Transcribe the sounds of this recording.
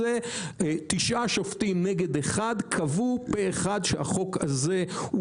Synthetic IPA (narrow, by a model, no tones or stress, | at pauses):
et̪iʃʔaʃoftimneɡe̞deχadkʰavupeːχadʃeha̰χo̞ka̰ze̞u